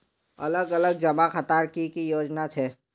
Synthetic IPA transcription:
ɐ̰ləɡələɡ̚d͡ʒɐmaxət̪aːɾkikijoːd͡ʒnat͡ʃʰɛː

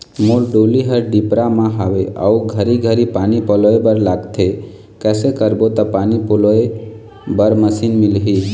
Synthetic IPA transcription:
molɖoliɦəɾɖipɾamãɦaʋeʔə̰uɡʱəɾiɡʱəɾipaːnipɔloebəɾlaɡt̪ʰe | kɛːsekəɾbot̪ɔpaːnipoloe | bəɾməsinmɪlɦi

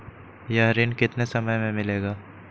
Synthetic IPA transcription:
jaːɾɪːnkɪt̪nesɐməjmẽmɪleːɡaː

